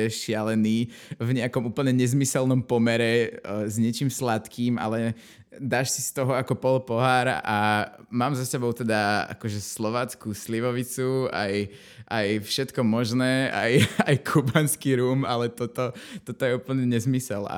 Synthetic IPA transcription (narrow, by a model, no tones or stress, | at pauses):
ɛʃɪalɛniː | vɲɛakɔmuːpl̩ɲɛɲɛzmisɛlnɔmpɔmɛɾɛzɲɛt͡ʃiːmslat̪kiːmʔa̰lɛ | d̪aːʃsist̪ɔɦɔakɔpɔlpɔɦaːɾamaːmzasɛbɔʊt̪ɛd̪aa̰kɔʒɛslɔʋaːt͡skusliʋɔʋit͡sua̰j | ʔajfʃɛt̪kɔmɔʒnɛːa̰jajkʰubanskiɾuːmalɛt̪ɔt̪ɔt̪ɔt̪ɔjɛuːpl̩ɲɛɲɛzmisɛla̰